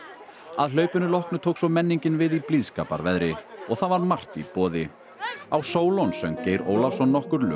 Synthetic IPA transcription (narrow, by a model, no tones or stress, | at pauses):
aðlœːɥpʏnʏlɔhknʏt̪ʰowksɔmɛnːiɲcɪnvɪðipliðskaːpa̰ɾvɛðɾɪɔɣθavaɾmar̥t̪ḭpɔːðɪ | awsoːwlɔnsɛmceːjɾo̰ːwlafsɔnːɔhkʏɾlʏ̰